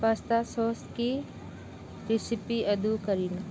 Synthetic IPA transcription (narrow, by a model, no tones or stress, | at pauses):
ʋaːst̪asoːst̪ki | ɾɪsipiʔɐd̪ukəɾin